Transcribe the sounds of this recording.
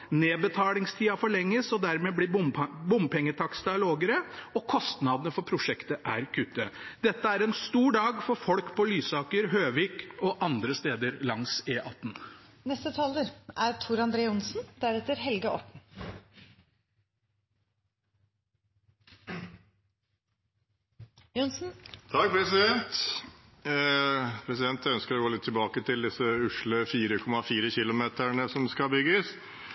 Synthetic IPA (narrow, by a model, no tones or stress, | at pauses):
neːbət̪ʰɑːlɪŋst̪ʰiːɑfɔɭɛŋːəsɔd̪æɾmeːbliːbʊmpʰɛŋːət̪ʰɑksd̪ɪɑloːɡəɾəɔkʰɔst̪nɑd̪ənəfɔpʰɾʊʂɛkt̪əʔæɾkʰʉt̪ːəd̪ɛt̪ːəæɾɛnst̪uːɖɑːɡfɔɾfɔlkpʰɔlyːsɑːkəɾɦøːʋiːkɔʔɑnd̪ɾəst̪eːd̪əɾlɑŋseːʔɑt̪ːn̩nɛst̪ət̪ʰɑːləɾʔæɾt̪ʰuːɾɑnd̪ɾeːəʊnsn̩d̪̥æɾɛt̪əɾɦɛlɡəɔ̰ʈɳ̩ | ʊnsn̩t̪ʰɑk̚pʰɾɛsɪd̪ɛnt̪ | pʰɾɛsɪd̪ɛnt̪œnskəɾɔɡoːlɪt̪ʰːɪlbɑːkət̪ʰɪld̪ɪsəʉʂɭəfiːɾəkʰɔmɑfiːɾəçɪlʊmeːt̪æɳəsɔmskɑbʏɡəs